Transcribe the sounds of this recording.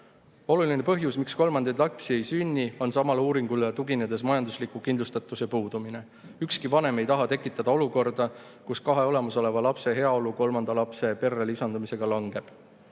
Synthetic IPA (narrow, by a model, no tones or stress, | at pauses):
o̞luline̞pɤɦjusmiksko̞lmɑnd̪̥ejd̪lɑpsie̞jsynʲːio̞nsɑmɑluːɾiŋɡ̥ult̪uɡined̪̥e̞s̬mɑjɑnd̪uslikˑukind̪lust̪ɑt̪ːˑusepuːd̪̥umine̞ | ykskivɑne̞me̞jt̪ɑɦɑt̪e̞kːˑit̪ːˑɑd̪̥ɑo̞luko̞rd̪̥ɑ | kuskɑɦe̞o̞le̞mɑso̞le̞vɑlɑpse̞ɦe̞ɑoluko̞lmɑnd̪̥ɑlɑpse̞pe̞rːelisɑnd̪umise̞ɡ̥ɑlɑŋɡ̥e̞b̥